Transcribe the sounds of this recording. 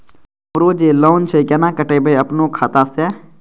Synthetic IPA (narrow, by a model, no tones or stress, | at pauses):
mʊɾoːd͡ʒeːloːnt͡ʃʰekɛnãːkəʈeːbeəpnõːkʰaːt̪aːsɛː